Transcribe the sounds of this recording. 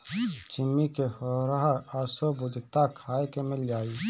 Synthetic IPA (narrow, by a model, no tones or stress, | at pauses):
t͡ʃɪmːikehoːɾaɦasobʊd̪t̪akʰaːekemɪld͡ʒaːiː